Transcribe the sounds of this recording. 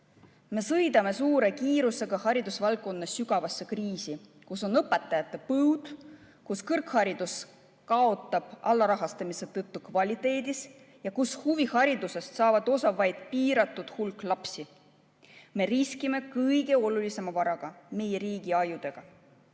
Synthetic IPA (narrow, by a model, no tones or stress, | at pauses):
me̞sɤjd̪ɑme̞suːɾe̞kiːɾuse̞ɡ̥ɑhɑɾid̪̥usvɑlk̚kːˑo̞nːɑsyɡɑvɑsːe̞kriːsi | kuso̞nɤpːˑe̞t̪ːˑɑjɑt̪ːˑe̞pɤwd̪̥ | kuskɤrkhɑɾid̪us | kɑo̞t̪ːˑɑb̥ʔɑlːɑɾɑɦɑst̪ɑmise̞t̪ɤt̪ːukvɑlʲit̪ˑe̞ːd̪is | jɑkushuvihɑɾid̪use̞st̪sɑːvɑd̪̥o̞sɑvɑjd̪̥̚piːɾɑt̪ˑːud̪̥hulkˑlɑpsi | me̞ɾiskime̞kɤjɡ̥e̞o̞lulise̞mɑvɑɾɑɡ̥ɑme̞je̞ɾiːɡ̥iɑjud̪̥e̞ɡ̥ɑ